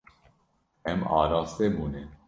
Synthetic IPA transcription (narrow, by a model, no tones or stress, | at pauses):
ɛmɑ̰ːɾɑːst̪ebuːne